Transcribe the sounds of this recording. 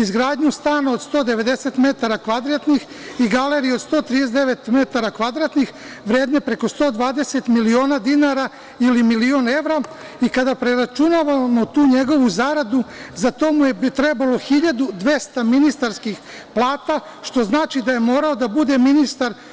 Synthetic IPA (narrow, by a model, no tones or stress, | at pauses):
izɡɾaːd̪ɲust̪aːnood̪st̪o̞ːd̪e̞ʋe̞d̪e̞se̞t̪me̞t̪aɾakʋad̪ɾat̪nix | iɡale̞ɾijo̞d̪st̪o̞ːt̪ɾid̪es̬ed̪eʋe̞t̪me̞t̪aɾakʋad̪ɾat̪nix | ʋɾe̞ːd̪ne̞pɾe̞ko̞st̪o̞ːd̪ʋaːd̪e̞se̞t̪milio̞ːnad̪inaɾa | ilimilio̞ne̞ʋɾa | ikad̪apɾeɾat͡ʃunaʋamo̞t̪uːɲe̞ɡo̞ʋuzaɾad̪uzat̪o̞mujet̪ɾe̞balo̞xiʎad̪ud̪ʋe̞st̪aminist̪aɾskix | plˠaːt̪a | ʃt̪o̞znaːt͡ʃid̪aje̞mo̞ːɾao̞d̪abud̪e̞minist̪aɾ